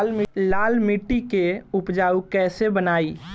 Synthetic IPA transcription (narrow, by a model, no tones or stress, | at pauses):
lmlaːlmiʈːikeʊpd͡ʒaːukɛːsebənaːi